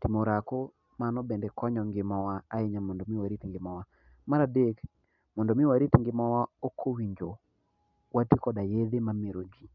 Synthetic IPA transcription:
timoɾako | manɔbɛndɛkʰɔɲɔŋɡɪmɔwaaɪɲamɔndomɪwaɾitŋɡɪmɔwa | maɾadek | mɔndomɪwaɾitŋɡɪmɔwaokʰːowiɲd͡ʒo | watikɔdajed̪emameɾod͡ʒi

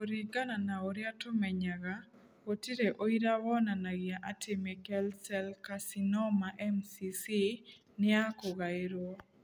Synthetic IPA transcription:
oɾiɡananaoɾjatomɛɲaɡa | potiɾeʔoiɾawɔnanaɡaʔatɪmɛkɛlsɛlkasinɔmaʔɛmsisi | nɪakoɡaɪɾɔ

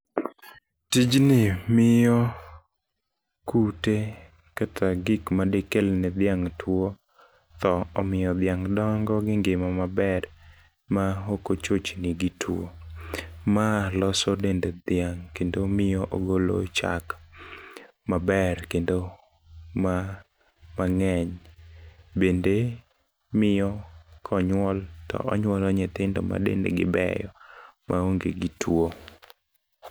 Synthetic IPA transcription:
tid͡ʒnɪmɪjɔ | kute | katʰaɡɪkmadekelnɛd̪ɪaŋtwo | t̪ɔɔmɪjɔd̪ɪaŋdɔŋɡɔɡɪŋɡɪmamabɛr | maokot͡ʃot͡ʃnɪɡɪtʰwo̰ | malɔsɔdended̪ɪaŋkendomɪjɔʔoɡolo̰t͡ʃa̰k | mabɛrkendo | ma | maŋɛɲ | bende | mɪjɔkʰɔɲwɔltɔ̰ʔɔɲwɔlɔɲɛt̪ɪndɔma̰dḛndḛɡɪbɛ̰jɔmʔaoŋɡḛɡitʰwo

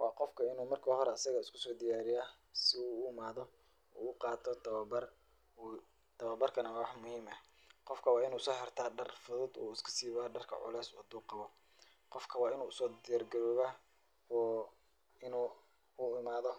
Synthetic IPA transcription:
wɑːqɔfkʰɐɪnuːmɐrkʰɐɦɔɾɛɐsɐɣɐɪskʰʊ̥sɔːd̪ɪjaːɾɪjaː | sɪuːʊɪmaːðɔ | ṵːʊqɑːt̪ʰɔt̪ʰɐβbɐr | t̪ʰɐβɐbɐrkʰɐnɐwħmʊhiːmɐ | qɔfkʰɐwɑːɪnuːsɔːhɛrt̪ʰaːɖɐrfʊðʊd̪ṵːɪskʰɐ̥siːβaːɖɐrkʰɐ̰ʕʊ̰lɛːsɐd̪uːqɑβɔ | qɔfkʰɐwɑːɪnuːʊsɔːd̪ɪjaːrɡɐɾɔːβa | ɔː | ɪnu | ʊɪmaːðɔ

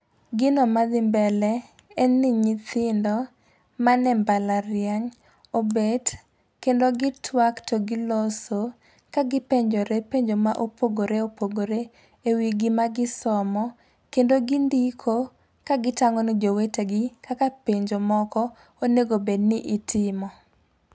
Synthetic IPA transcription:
ɡɪnɔmad̪ɪmbɛlɛ | ɛnnːiɲit̪ɪndɔ | manɛmbalaɾjaɲ | obed | kendoɡɪtʰwaktʰoɡɪloso | kaɡɪpeɲd͡ʒoɾepeɲd͡ʒomaʔopoɡoɾeopoɡoɾe | ewiɡimaɡɪsɔmɔ | kendoɡindikʰo | kaɡɪtaŋɔnid͡ʒoweteɡɪkakapeɲd͡ʒomɔkɔ | oneɡobednɪʔitʰɪmɔ

